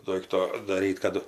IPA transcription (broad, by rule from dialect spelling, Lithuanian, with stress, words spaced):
ˈdoːɪktoː dɐˈrʲiːt kɐˈdʊ